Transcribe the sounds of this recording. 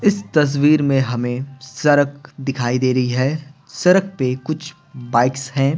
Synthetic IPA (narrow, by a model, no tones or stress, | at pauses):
ɪst̪ɐs̬wiːɾmẽɦɐmẽsɐɾəkd̪ɪkʰaːid̪eːɾɐɦiɦɛː | sɐɾək̚pekʊt͡ʃʰ | baːɪksɦɛ̃ː